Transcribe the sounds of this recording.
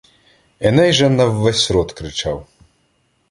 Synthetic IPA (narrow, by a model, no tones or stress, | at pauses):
ɛnɛjʒɛnɐwːɛsʲɾɔt̪kɾɪt͡ʃaw